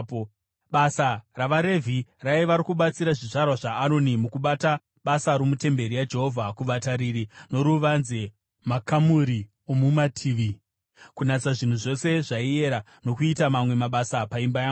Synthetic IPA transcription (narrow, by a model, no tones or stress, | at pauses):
ɓasaraʋaɾe̞vʱiraiʋaɾikuɓat͡siɾaʐiʐarwaʐaːno̞nimukuɓata | ɓasaɾomute̞mbe̞ɾijad͡ʒe̞ɦo̞vʱakuʋataɾiɾino̞ɾuʋanze | makamuɾi | omumatʰiːʋi | kunat͡saʐin̤uʐo̞se̞ʐaie̞ɾa | no̞kuitamamwe̞maɓasapaimbajaːu